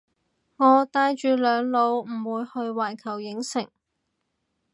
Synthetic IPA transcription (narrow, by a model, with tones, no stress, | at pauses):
ŋɔː˨˧t̪aː˧jt͡ʃyː˧lœː˨˧ŋlo˨˧wm̩˨˩wuː˨˧jhɵ˧ɥwaː˨˩jkʰɐ˨˩wjɪ˨˥ŋsɪ˨˩ŋ